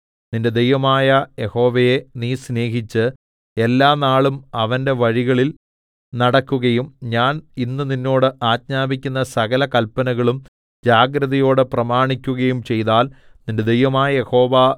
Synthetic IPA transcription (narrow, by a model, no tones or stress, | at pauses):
ninde̞d̪ejʋɐmaːjɐje̞ho̞ːʋɐjeniːsne̞ːɦit͡ɕːɨ | e̞lːaːnaːɭumɐʋɐnde̞ʋɐɻiɣɐɭil | nɐɽɐkːuɣɐjumɲaːninːɨninːo̞ːɽɨʔaːt̚ɲaːbikʲːunːɐsɐɣɐlɐkɐlpːɐnɐɣɐɭum | d͡ʑaːɡɾɐðɐjo̞ːɽɨprɐmaːɳikʲːuɣɐjumt͡ɕe̞jðaːlninde̞d̪ejʋɐmaːjɐje̞ho̞ːʋɐ